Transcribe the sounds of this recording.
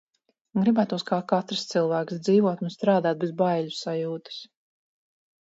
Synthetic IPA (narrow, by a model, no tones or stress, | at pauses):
ɡɾibæːt̪uskaːkat̪ɾst̪silˠvæːksd̪ziːvɔt̪unst̪ɾaːd̪aːt̪̚bɛzbajlʲusajuːt̪ɨ̥s